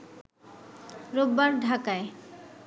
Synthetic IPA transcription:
ɾobːaɾɖʱakae

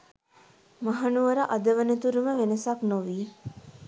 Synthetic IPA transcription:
maɦɐnuʋəɾaʔɐd̪əʋənət̪uɾuməʋenəsaknoʋiː

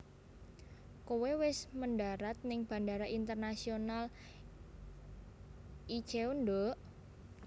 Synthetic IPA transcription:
kowewɪsmənɖaɾat̪̚nɪŋb̥a̤ndaɾaʔint̪ərnasional | i̥t͡ʃeondɔʔ

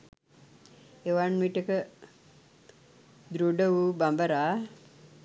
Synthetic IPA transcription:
eʋanmiʈəkə | d̪ɾuɖəʋubambəɾaː

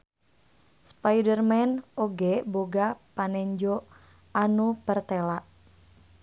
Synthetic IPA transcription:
spajdərmɛnoɡɛboɡapanɛɲd͡ʒo | anupərt̪ɛlaʔ

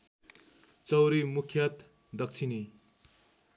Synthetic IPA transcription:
t͡sʌwɾimukʰjʌt̪ | d̪ʌk̚t͡sʰini

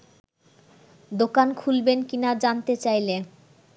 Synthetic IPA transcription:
d̪okankʰulbenkinad͡ʑant̪et͡ɕajle

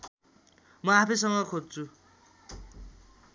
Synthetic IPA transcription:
mʌapʰis̬ʌŋɡʌkʰod͡zt͡sʰu

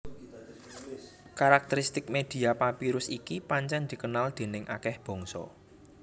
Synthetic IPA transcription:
kaɾak̚t̪əɾist̪ɪk̚med̪̥i̤apapiɾʊsikipaɲt͡ʃɛnd̪̥i̤kənald̪̥e̤nɪŋʔa̰kɛhb̥ɔ̤ŋsɔ̰

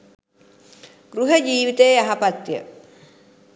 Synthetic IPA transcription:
ɡ̥ɾuɦəd͡ʒiːʋit̪eːaɦapat̪ːiə̰

